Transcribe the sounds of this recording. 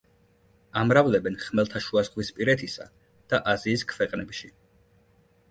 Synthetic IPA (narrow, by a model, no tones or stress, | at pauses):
amɾavlɛbɛnχmɛlˠt̪ʰaʃuasʁwispʼiɾɛt̪ʰisa̰ | d̪̥aʔaziːskʰvɛqʼnɛpʃi